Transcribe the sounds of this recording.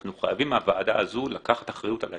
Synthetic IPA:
nuχajavimavaːd̪aːzulakaχḁt̪aχʁajut̪ala

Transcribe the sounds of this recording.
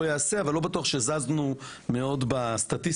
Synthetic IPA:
ojaːse̞avalːo̞betuaχʃezaznume̞o̞d̪bast̪atis

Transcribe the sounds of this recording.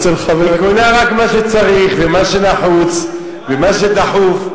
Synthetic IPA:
t͡selχavekunaʁakmaʃet͡saʁiχvemaʃenaħut͡s | vemaʃed̪aħuf

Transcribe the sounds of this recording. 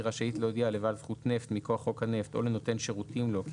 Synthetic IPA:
ʁaʃait̪lojd̪ialevadzχut̪ne̞ft̪mikoaχo̞khane̞ft̪o̞leno̞t̪e̞nʃeʁut̪imlo̞k

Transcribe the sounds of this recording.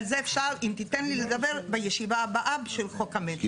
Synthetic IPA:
lzeːfʃaʁimt̪it̪enlileɡabe̞ʁbejeʃivaːbaʔabʃelχokamet

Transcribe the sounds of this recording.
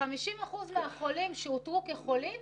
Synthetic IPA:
amiʃimaχuzmeaχo̞limʃeutʁukeχo̞lim

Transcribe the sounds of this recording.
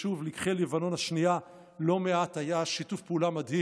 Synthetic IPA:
ʃuvlikχelevano̞nhaʃnija | lo̞meathajaʃitufpeulamadhi

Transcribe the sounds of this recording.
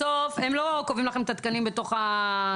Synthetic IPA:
ofemlo̞kovimlaχemt̪at̪̚kanimbet̪o̞χa

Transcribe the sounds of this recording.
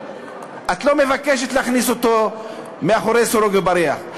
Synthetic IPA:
at̪lo̞me̞vakeʃ̬etleaχniso̞t̪o̞ | meaχo̞ɾejsoɾoɡebaɾeaχ

